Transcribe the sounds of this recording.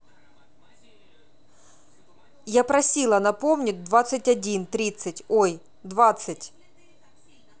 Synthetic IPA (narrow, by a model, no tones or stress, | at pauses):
japɾɐsʲilˠɐnɐpomnʲɪt̚ʲd̪vat̪sɨtʲɐdʲint̪ɾʲit̪sɨtʲoj | d̪vat̪sɨtʲ